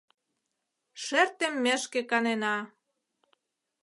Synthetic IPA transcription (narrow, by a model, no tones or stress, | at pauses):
ʃert̪emːĕʃkĕkɑnenɑ